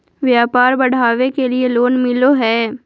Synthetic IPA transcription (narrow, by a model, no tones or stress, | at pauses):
ʋjaːpaːɾbɐɽ̤aːʋekelieloːnmɪloɦɛː